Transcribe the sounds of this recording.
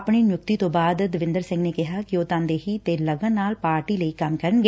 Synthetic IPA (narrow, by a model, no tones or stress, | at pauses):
pɳiːnjʊk̚t̪iːt̪õːbaːd̪d̪əʋɪ̃nd̪əɾsɪ̃ŋɡneːkɪɦaːkɪoːt̪ãːnd̪eːɦiːt̪eːləɡənːaːlpaːɾʈiːləiːkɐmkəɾənɡeː